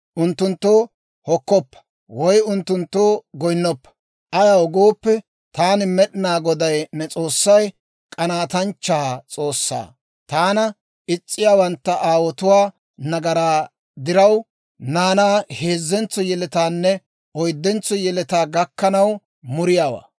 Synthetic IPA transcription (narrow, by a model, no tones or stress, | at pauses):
ʔʊnt̪ːʊnt̪ːoː | hɔkːɔpːɐ̥ | wɔjʊnt̪ːʊnt̪ːoːɡɔjnːɔpːɐ̥ | ʔɐjawɔɡoːpːɛ | t̪aːnɪmɛɗɪnaːɡɔd̪ɐjnɛt͡sʼo̞ːsːɐj | kʼɐnaːt̪ɐnt͡ʃːɐt͡sʼo̞ːsːa̰ː | t̪aːnɐ | ɪt͡sʼːɪjaːwɐnt̪ːɐʔaːwɔt̪ʊwaː | nɐɡɐɾaː | d̪ɪɾɐw | naːnaːheːzːɛnt͡sːɔjɛlɛt̪aːnːɛ | ʔɔjd̪ːɛnt͡sːɔjɛlɛt̪aːɡɐkːɐnɐw | mʊɾɪjaːwa̰ː